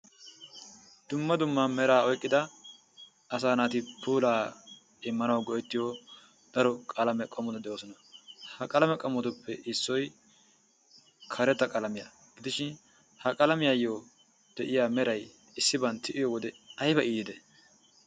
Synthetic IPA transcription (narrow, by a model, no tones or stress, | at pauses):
d̪̥ʊmːɐd̪ʊmːaːmɛɾaːɔjkʼːɪd̪ɐ | ɐsaːnaːt̪ɪpuːlaː | ɪmːɐnɐwɡɔʔɛt̪ːɪjo | d̪̥ɐɾɔkʼɐlɐmɛkʼɔmːɔd̪ɐd̪ɛʔoːsɔnɐhɐkʼɐlɐmɛkʼɐmːɔt̪ʊpːɛʔɪsːɔj | kʰɐɾɛt̪ːɐkʼɐlɐmɪja̰ | ɡɪd̪ɪʃɪn | hɐkʼɐlɐmɪjaːjːo | d̪̥ɛʔɪjaːmɛɾɐj | ɪsːɪbɐnt̪ːɪʔɪjɔwɔd̪ɛɐjbɐʔiːd̪ɪd̪ɛ